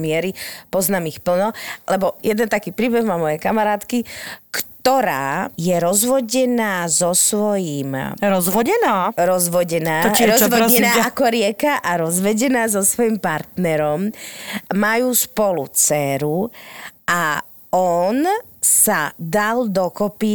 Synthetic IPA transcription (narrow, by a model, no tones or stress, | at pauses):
mɪɛɾipɔznaːmixpl̩nɔlɛbɔjɛd̪ɛnt̪akiːpɾiːbɛɣmamɔjɛkamaɾaːt̪kikt̪ɔɾaːjɛɾɔzʋɔɟɛnaːzɔsʋɔjiːmɾɔzʋɔɛnaːɾɔzʋɔɟɛnaːɾɔzʋɔɛnnaːakɔɾɪɛkaʔaɾɔzʋɛɟɛnaːzɔsʋɔjimpaɾt̪nɛɾɔm | majuːspɔlut͡sɛːɾu | a | ɔn | sad̪ald̪ɔkɔpi